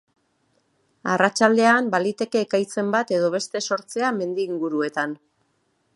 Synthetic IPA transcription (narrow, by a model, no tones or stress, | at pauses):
arat͡ʃald̪e̞ambalit̪e̞ke̞ːkajt͡se̞mbat̪e̞ðo̞βe̞st̪e̞so̞ɾt͡se̞ame̞nd̪iːŋɡuɾue̞t̪an